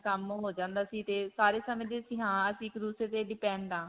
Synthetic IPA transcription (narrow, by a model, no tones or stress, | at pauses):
kəm̃ːɦoːd͡ʒãːnd̪aːsiːt̪eːsaːɾeːsəmẽːd̪eːsĩːɦãːəsĩːɪkd̪uːsɾeːt̪eːɖɪpɛ̃ːɳɖãː